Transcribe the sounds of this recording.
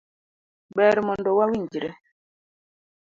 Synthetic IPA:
ɓɛːɾɛmɔndɔwawiɲd͡ʒiɾɛ

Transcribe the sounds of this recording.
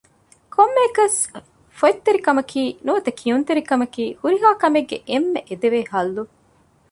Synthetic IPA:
kʰomːeːkɐs | foit̪ːeɾikɐmɐkʰiːnuɐt̪ɐkʰiunt̪eɾikɐmɐkiːhuɾiɦaːkɐmeɡːeʔemːeʔed̪eʋeːhɐlːu

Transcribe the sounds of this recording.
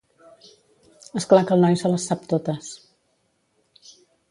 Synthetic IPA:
əsklakəlˠnɔjsələsːap̚t̪ot̪əs

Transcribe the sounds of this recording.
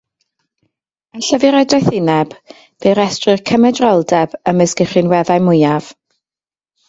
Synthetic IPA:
ənɬəvɪɾɛdɔθɪnɛb̥ | veɾɛstrɨrkʰəmɛdrɔlˠdɛb̥əməsɡ̥ɪχɪnwɛðajmʊjav̥

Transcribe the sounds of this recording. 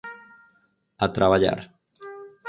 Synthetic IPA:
at̪ɾʔaβaʎa̰ɾ

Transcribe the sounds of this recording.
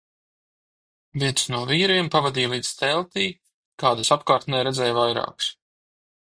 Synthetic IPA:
viɛt̪snuɔviːɾiɛmpavad̪iːlˠiːd̪zt̪ɛlˠt̪iː | kaːd̪asapkaːɾt̪nɛɾɛd̪zɛːjvajɾa̰ːks

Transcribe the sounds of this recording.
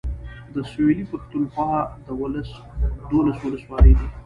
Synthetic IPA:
d̪əselipaʂt̪unxwɑd̪əwʊls | d̪olaswʊləswɑːləjd̪i

